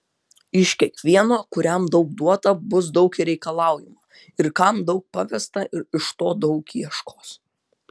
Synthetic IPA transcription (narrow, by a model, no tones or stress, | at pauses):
ɪʃkʲiɛkʋʲiɛnoːkʊɾʲɛmd̪ɒʊɡ̚d̪uɔt̪ɐbʊs̬d̪ɒʊkiɾʲɛɪkɐlˠɑˑʊjɪmɐ | ɪɾkɐmd̪ɒʊk̚pɐʋʲɛst̪ɐʔɪɾɪʃt̪oːd̪ɒʊkiɛʃkoːs